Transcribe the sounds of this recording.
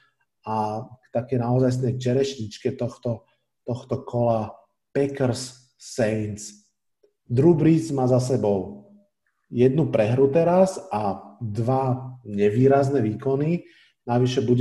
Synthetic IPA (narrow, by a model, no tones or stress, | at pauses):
akt̪akɛːnaɔzajs̬nɛjt͡ʃɛɾɛʃɲit͡ʃkɛt̪ɔxt̪ɔ | t̪ɔxt̪ɔkʰɔla | pɛkɾsː | ɛjnt͡s | d̪ɾubɾit͡smaːzasɛbɔʊ | jɛd̪nupɾɛɦɾut̪ɛɾasad̪ʋaɲɛʋiːɾaznɛʋiːkɔni | naʋiʃɛbuɟ